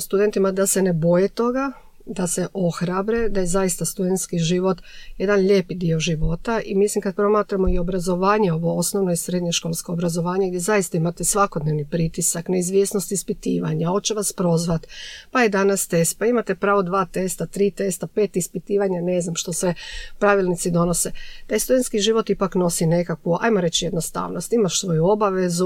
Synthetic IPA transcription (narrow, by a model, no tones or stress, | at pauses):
st̪ud̪ent̪imad̪asenebo̞jet̪o̞ɡa | d̪ase̞ʔo̞xɾabɾe̞d̪ajezajist̪ast̪ud̪ent̪skiʒiʋo̞t̪je̞d̪anʎeːpid̪io̞ʒiʋo̞t̪aʔimislimkad̪̚pɾo̞maːt̪ɾamo̞io̞bɾazo̞ʋaːɲe̞o̞ʋo̞o̞snoʋno̞isɾed̪ɲeʃko̞ːlˠskoobɾazo̞ʋaːɲeɡd̪jezaist̪aimat̪e̞sʋakod̪neʋnipɾit̪isakne̞izʋje̞sno̞st̪ispit̪iːʋaɲaot͡ɕeʋaspɾo̞zʋat̪paed̪anast̪e̞spaimat̪e̞pɾaːʋod̪ʋaːt̪e̞st̪at̪ɾiːt̪e̞st̪apeːt̪ispit̪iːʋaɲane̞znamʃt̪o̞sʋepɾaʋilˠnit̪sid̪o̞nose̞t̪ajst̪ud̪e̞nt̪skiʒiʋo̞t̪ipakno̞sine̞kakʋua̰jmo̞ɾe̞t͡ɕjed̪no̞st̪a̰ːʋnost̪imaʃsʋo̞juo̞baʋezu